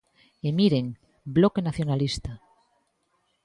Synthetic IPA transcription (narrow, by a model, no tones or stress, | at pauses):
emiɾeŋ | blokenaθjonalist̪a